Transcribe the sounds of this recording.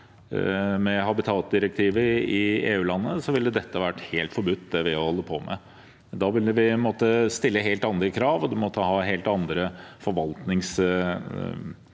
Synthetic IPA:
mɛɦɑbɪt̪ʰɑːt̪̚d̪ɪɾək̚t̪ʰiːʋəɪeːʉːlɑnːəsɔʋɪlːəd̪ɛt̪ːəɑʋæʈːheːlt̪fɔɾbʉt̪ːd̪ɛʋɪæhɔlːəpʰoːmɛ̰ | d̪ɑːʋɪləʋɪnmoːt̪ːəst̪ɪlːəɦeːlt̪ɑnd̪ɾəkʰɾɑːʋɔd̪ɛmɔt̪ːəhɑːɦeːlt̪ɑnd̪ɾəfɔɾʋɑlt̪nɪŋs

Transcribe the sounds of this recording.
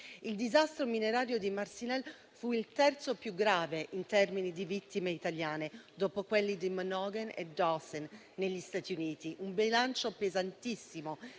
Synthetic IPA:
ild̪izast̪ɾomineɾaːɾjod̪imarsinɛl | fuilt̪ɛrt̪sopjuɡːɾaːveʔint̪ɛrminid̪ivit̪ːimeit̪aljaːned̪oːpokwelːid̪imanɔɡɛnḛd̪ɔsɛnː | eʎːist̪at̪iuniːt̪iʔumbilant͡ʃopezant̪isːimo

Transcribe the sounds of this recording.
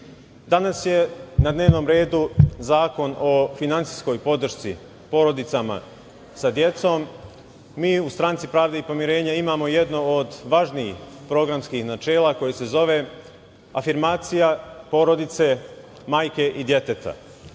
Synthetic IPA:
d̪anasje̞nad̪ne̞ːʋno̞mɾe̞ːd̪uzaːko̞no̞finant̪sisko̞jpo̞d̪r̩ʃt̪si | po̞ɾo̞d̪it̪sama̰ | sad̪je̞t̪so̞mː | iːust̪ɾaːnt̪sipɾaːʋd̪eipo̞mjiɾe̞ːɲaimaːmo̞je̞d̪no̞od̪ʋaʒniixpɾo̞ɡɾamskixnat͡ʃe̞ːlˠako̞jese̞zo̞ʋe̞ | afiɾmaːt̪sijapo̞ɾo̞d̪it̪se̞ | maːjke̞ʔid̪je̞t̪et̪a̰

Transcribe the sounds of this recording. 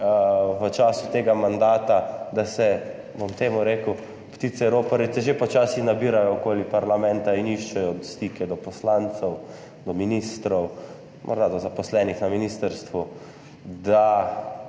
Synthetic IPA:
ʋət͡ʃaːsut̪eːɡamand̪aːt̪ad̪asɛ | bomt̪eːmuɾeːkəw | pt̪iːt̪sɛɾoːpɐɾit̪sɛʒepɔt͡ʃaːsixnabiːɾajɔokoːlipaɾlamɛ̃nt̪ainiʃt͡ʃɛjɔd̪st̪ikʰɛd̪ɔpɔslant̪sɛw | d̪ɔminist̪ɾɔw | mʔɔ̰ɾd̪ad̪ɔzapɔslɛnixnaminist̪əɾst̪ʋu | d̪a

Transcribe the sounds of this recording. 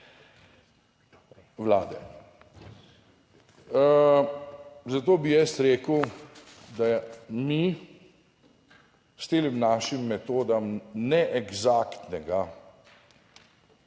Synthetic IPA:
ʋlaːd̪ɛ | zat̪oːbijɛst̪ɾeːkəw | d̪ami | st̪eːlimnaːʃimːɛt̪oːd̪amnɛʔɛɡzaːkt̪nɛɡa

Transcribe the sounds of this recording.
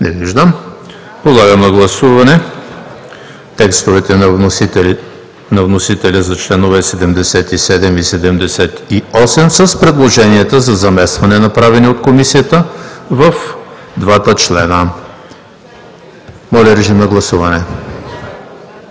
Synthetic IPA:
nɛviʒd̪əm | pod̪lˠaɡəmnɐɡlˠɐsuvɐnɛ | t̪ɛkst̪ovɛt̪ɛ | nɐvnosit̪ɛlʲizɐt͡ʃlɛnovɛsɛd̪ɛmd̪ɛsɛt̪isɛd̪ɛmisɛd̪ɛmd̪ɛsɛt̪iɔsɛmsəspɾɛd̪lˠoʒɛniɛt̪əzɐzɐmɛst̪vɐnɛnɐpɾavɛniot̪komisijət̪əvɐf | d̪vat̪ət͡ʃlɛnə | mɔlʲɐɾɛʒimnɐɡlˠɐsuvɐnɛ

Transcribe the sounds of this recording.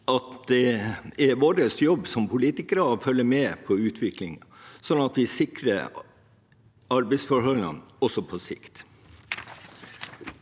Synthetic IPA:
ʔɑt̪d̪ɛɛɾʋoːɾəsjɔbːsɔmpʰʊliːt̪ɪkəɾəɑʋfœlːəmɛpʰɔʉːt̪ʰʋɪklɪŋsɔnɑt̪ʋɪsɪkɾə̰ | ɑɾbɛɪsfɔɾhɔlnə̰nɔsɔpʰɔsɪ̰kt̪

